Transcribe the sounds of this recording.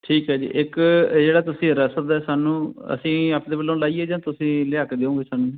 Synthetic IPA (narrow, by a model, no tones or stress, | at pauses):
ʈʰiːkɦɛːd͡ʒḭːʔɪkd͡ʒeːɽaːt̪ʊsĩːɾəsət̪ɛːsaːnũːə̰sĩːaːpd̪eːbəlːõːlaːiːeːd͡ʒãːt̪ʊsĩːlɪaːkd̪eːõːɡeːsaːnũː